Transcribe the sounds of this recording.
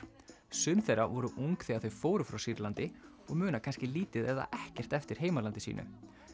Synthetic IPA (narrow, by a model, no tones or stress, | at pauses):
sʏnθejɾavɔɾʏʔuŋkθiaθœɥfoːwɾʏfɾawsiɾlant̪ɪ | ɔɣmʏːnakʰanscɪliːt̪ɪðɛða̰ʔɛhcɛr̥t̪ɛft̪ɪɾ̥ɦeːjmalant̪ɪsḭːnʔʏ̰